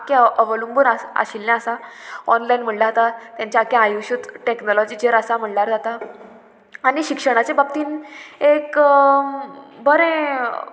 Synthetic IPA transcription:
keəʋəlumbunaa̰ɕilːjãəsaɔnlajnm̤əɽlaɦt̪at̪jãɲt͡ɕjaakeajuɕud̪ʈeknɔlɔd͡ʑiːd͡ʑeɾəsam̤əɽlaɾd͡zat̪a | aɽ̃iɕikʂəɽ̃at͡sebab̚t̪iːnek | bəɾẽ

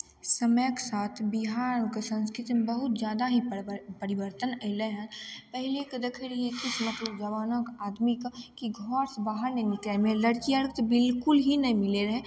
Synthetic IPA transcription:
səməjksaːt̪ʰbɪɦaːnkesə̃nskɾɪt̪mebəɦʊt̪d͡ʒjaːd̪aɦipəɾɪʋəɾt̪ənɛɦləɦɛ̃pɛɦleked̪ekʰeɾəɦiekɪsmət̪ləd͡ʒəʋaːnəkaːd̪mikkiɡʱɔːɾsbaːɦəɾnenɪkɛmẽləɽkiəɾkt̪bɪlkʊlɦinɐɦĩmɪleɾəɦẽ

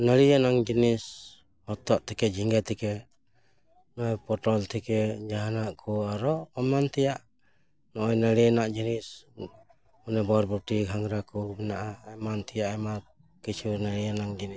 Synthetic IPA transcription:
nəɾijanaŋd͡ʒinis | hɔt̪ɔʔt̪ʰɛkɛd͡ʒiŋɡat̪ʰɛkɛ | nɔɔjpɔʈɔlt̪ʰɛkɛd͡ʒaɦanaʔkʰɔaɾɔɔmant̪ʰɛjaʔ | nɔʔɔjnəlɛanaʔd͡ʒinis | ɔnɛbɔɾbɔʈiɡʱaŋɾakɔbɛnaʔaːjmant̪ʰɛjaʔama | kit͡ʃunəɾijanaŋd͡ʒini

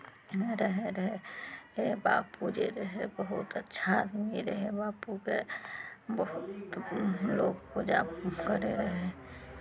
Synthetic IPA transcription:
ɾəɦeɾəɦeebaːpud͡ʒeɾəɦebəɦʊt̪ətːʃʰad̪miɾəɦebaːpuke | bəɦʊtt̪loːɡkod͡ʒa̰ːkəɾeɾəɦe

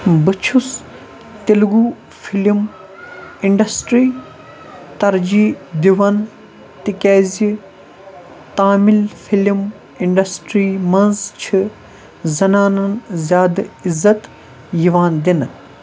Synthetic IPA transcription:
bɨt͡ʃʰus | t̪ilɡuː | fʰilim | iɳɖɐsʈɾiː | t̪ɐɾd͡ʒiːd̪iʋɐn | t̪ikeːzi | t̪aːmilfʰilim | iɳɖɐsʈɾiːmɐnzt͡ʃʰɨ | zɐnaːnɐnzʲjaːd̪izɐt̪ | jiʋaːnd̪in

